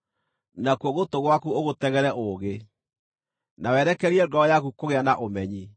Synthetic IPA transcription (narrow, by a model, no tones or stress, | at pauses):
nakwɔɣotoɣwakuoɣotɛɣɛɾɛʔoɣe | nawɛɾɛkɛɾiɛdɔɔjakukoɣeanaʔomɛɲi